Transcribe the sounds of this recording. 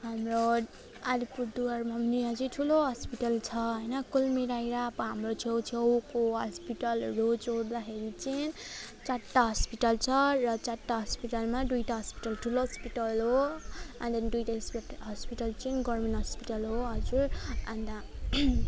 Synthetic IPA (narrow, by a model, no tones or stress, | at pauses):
ɦamro | aɾipuɾd̪uʌrmʌmniɦʌd͡zuʈʰuloɦʌspiʈʌlt͡sʰʌɦʌjnʌkulmeɾajɾabʌɦamrot͡sʰewt͡sʰewkoɦʌ̰spiʈʌlrod͡zoɾd̪axeɾit͡sint͡saɾʈaɦʌspiʈʌlt͡sʰʌrʌt͡saɾʈaɦʌspiʈʌlmad̪ujʈaɦʌspi̥ʈʌlʈʰuloɦʌspiʈʌlɦoʌnd̪ʌnid̪ujʈasɦʌspiʈʌlt͡sinɡʌrmenɦʌspiʈʌlɦoɦʌd͡zuɾʌnd̪a